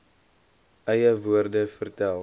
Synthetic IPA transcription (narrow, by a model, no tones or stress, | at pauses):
ʔɛjəvuərdəfərtælˠ